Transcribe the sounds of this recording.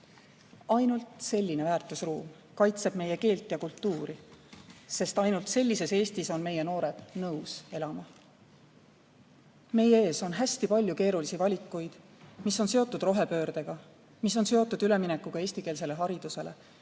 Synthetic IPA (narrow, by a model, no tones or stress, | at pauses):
ɑjnult̪se̞lʲːine̞væːrt̪ˑusruːm | kɑjt̪se̞b̥me̞je̞ke̞ːlt̪ːˑjɑkult̪ːuːɾi | se̞st̪ɑjnult̪se̞lʲːise̞se̞ːst̪iso̞nme̞je̞no̞ːɾe̞d̪̥nɤwse̞lɑmɑ | me̞jeeːso̞nɦæsʲt̪ipɑlʲjuke̞ːɾulisivɑlʲikːˑujd̪̥ | misːo̞nse̞o̞t̪ːˑud̪̥ro̞ɦe̞pø̞ːɾd̪̥e̞ɡ̥ɑ | mis̬ːo̞nse̞o̞t̪ːˑud̪̥yle̞minɛkːˑuɡ̥ɑe̞ːsʲt̪ikeːls̬e̞le̞ɦɑɾid̪̥use̞le̞̰